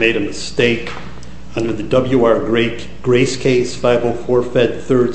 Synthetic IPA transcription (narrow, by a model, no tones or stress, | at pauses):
meɪɾɨmɨsteɪk | ə̃nwɨðɨdʌbl̩ˠjuaɹɡɹe | ɡ̥ɹeɪskʰeɪsfaɪvl̩ˠfɔɹfɛd̪̚θɜ˞d